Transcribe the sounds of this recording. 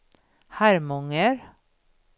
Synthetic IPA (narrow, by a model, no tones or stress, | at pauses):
hæɾmɔŋəɾ